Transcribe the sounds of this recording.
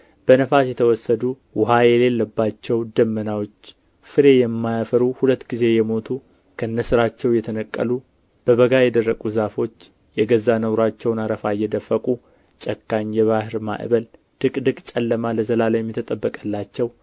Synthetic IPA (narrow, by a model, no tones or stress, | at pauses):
b̥ənəfasjɛt̪ʰəwɔsːəd̪u | wʊhajɛle̞lːəbːat͡ʃːɛwd̪əmːənawo̞t͡ʃː | fɨɾe̞jɛmːajafəɾuhulət̪ːɡize̞jɛmo̞t̪ʰu | kʰəɨnːəsɨɾat͡ʃːɛwjɛt̪ʰənəkʼːə̰lu | b̥əβəɡajɛd̪ərːəkʼuzafo̞t͡ʃː | jɛɡəzːanəwɾat͡ʃːɛwnaɾəfajɛd̪əfːəkʼu | t͡ʃʼəkːaɲjɛβahɨɾma̰ʔɨ̰βəl | d̪̥ɨkʼd̪ɨkʼt͡ʃʼəlːəmaləzəlaljɛmːɛt̪ʰət̪ʼəbːəkʼəlːat͡ʃːɛw